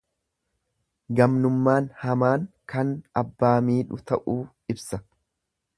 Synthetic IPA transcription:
ɡɐmnʊmːaːnhɐmaːŋkɐnɐbːaːmiːᶑʊt̪ɐʔuː | ɪbsɐ

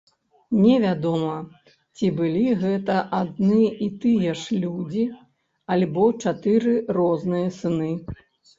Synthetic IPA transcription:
nʲɛvʲad̪ɔmɐ | t͡sʲibɨlʲiɣɛt̪ɐʔad̪nɨit̪ɨjɛʂlʲud͡zʲi | alʲbɔt͡ʂat̪ɨɾɨrɔznɨjɐsɨnɨ

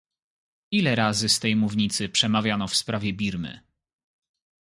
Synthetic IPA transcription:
ilɛɾazɘst̪ɛjmuvɲit̪sɘpʂɛmavʲjanɔfspɾavʲjɛbʲiɾmɘ̰

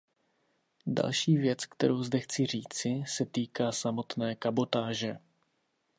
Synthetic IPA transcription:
da̰lʃiːvjɛt͡skt̪ɛɾowzdɛxt͡sɪr̝iːt͡sɪsɛt̪iːkaːsamo̞t̪nɛːkabo̞t̪aːʒɛ

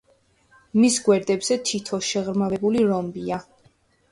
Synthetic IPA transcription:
misɡwɛɾd̪ɛbz̥ɛt̪ʰit̪ʰɔʃɛʁɾmavɛbuliɾɔmbia

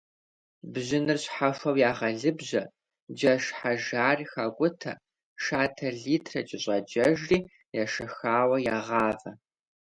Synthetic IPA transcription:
bʑɪnɨrɕħafɐwjaːʁɐɮɨbʑɐ | d͡ʒɐʃħaʒaːrxaːɡʷʼʊtʰɐ | ʃaːtʰɐɮiːtʰrɐ̰t͡ʃʼɪɕʼɐd͡ʒɐʒriː | jaʃɐxaːwɐjaːʁɑːvɐ

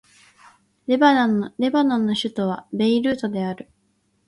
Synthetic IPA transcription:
ɾe̞banõ̞nːo̞ɕɨt̪o̞β̞abe̞iɾɯ̟ːt̪o̞d̪e̞aɾɯ̟

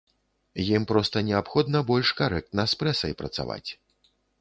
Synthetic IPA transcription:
jimpɾɔst̪ɐnʲɛapxɔd̪nɐbɔlʲʂkaɾɛk̚t̪nɐspɾɛsɐjpɾɐ̰t̪sa̰va̰t͡sʲ

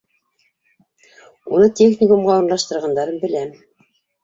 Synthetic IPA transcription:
unɤt̪ʲexnʲikumʁɑuɾnlˠɑʃt̪ɤ̆ɾʁɑnd̪ɑɾɤnbɘ̆læm

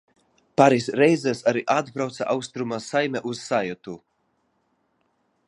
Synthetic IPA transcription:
paɾisɾɛjzɛsaɾiʔad̪bɾawt̪sa̰ʔawst̪ɾumasajmʲɛʔuz̥sajɔt̪u

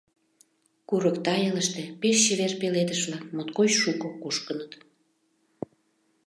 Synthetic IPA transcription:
kuɾəkt̪ɑjeləʃt̪epeʃːeβerpeled̪əʃβlɑkmot̪kojʃukokoʃkənət̪

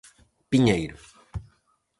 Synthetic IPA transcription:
piɲejɾʊ

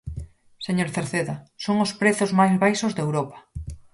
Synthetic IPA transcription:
seɲoɾθeɾθeðasoŋʊspɾeθʊzmajsbajsʊzðewɾopḁ

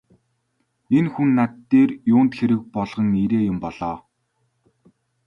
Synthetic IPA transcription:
enxunːat̪ːeːrjʊːnt̪xeɾɘ̆k̚pɔɮʁɞ̆niɾeːjʊmpɔɮ̥ɔː

